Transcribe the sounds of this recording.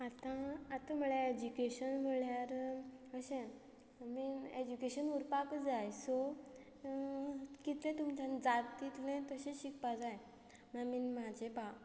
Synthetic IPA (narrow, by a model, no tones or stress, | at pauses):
at̪ãːt̪am̤əɭaed͡ʑukeɕənm̤əɭjaɾəɕẽ | mied͡ʑukeɕənuɾpakd͡zajsɔ | kit̪lẽt̪umt͡ɕãnd͡zat̪ːit̪lẽt̪əɕẽɕikpad͡zaj | maminmad͡ʑeba